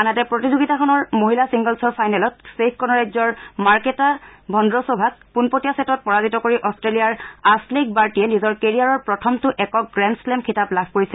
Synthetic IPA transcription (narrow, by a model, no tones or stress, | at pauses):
anatɛpɹotizoɡitakʰɔnɔɹmoɦilasiŋɡɔlsɔɹpʰajnɛlɔtsepʰkɔnɔɹazɔɹmaɹketabʱɔndɹɔsobʱak̚punpotijasetɔt̚pɔɹazitɔkoɹiʔɔstɹelijaɹaslik̚baɹtiɛnizɔɹkeɹijaɹɔɹpɹɔtʰɔmtʊʔɛkɔk̚ɡɹɛnslɛmkʰitaplab̚ʱkoɹisɛ